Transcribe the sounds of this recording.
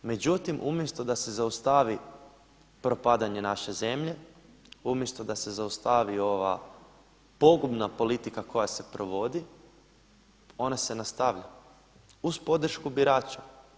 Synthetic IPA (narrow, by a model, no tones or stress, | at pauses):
me̞d͡ʑut̪imʔumje̞st̪od̪ase̞zaust̪aʋi | pɾo̞pad̪aɲe̞naʃe̞ze̞mʎe̞ | umje̞st̪od̪ase̞zaust̪aʋio̞ʋa̰ | po̞ɡubnapo̞lit̪ikako̞jase̞pɾo̞ʋo̞d̪i | o̞nase̞nast̪aʋʎa | uspo̞d̪r̩ʃkubiɾaːt͡ʃa